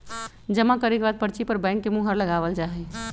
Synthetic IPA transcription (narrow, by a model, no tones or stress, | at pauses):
d͡ʒəmãkəɾekbad̪̚pəɾt͡ʃipəɾbɛ̃ɪŋkːemũɦəɾləɡaʋəld͡ʒaɦɛ